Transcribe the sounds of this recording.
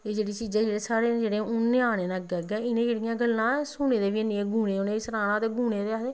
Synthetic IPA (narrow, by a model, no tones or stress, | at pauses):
eːd͡ʒeːɽiːt͡ʃiːzãːd͡ʒeːɽeːsaːɽeːnd͡ʒeːɽẽːʊnːẽːaːɽeːnãːɡɛːɡɛ̃ːɪnẽːd͡ʒeːɽijãːɡəlːãːsʊneːd̪eːʋinieːɡʱuːneːoneːsəɾaːnãːt̪eːɡʱuːɽeːd̪eːaeː